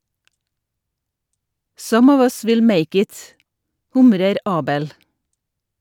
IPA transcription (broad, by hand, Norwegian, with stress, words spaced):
ˈsʌm ˈɔʋ ˈʌs ˈʋɪl ˈmeɪk ˈɪt ˈhʊmɾəɾ ˈɑːbəl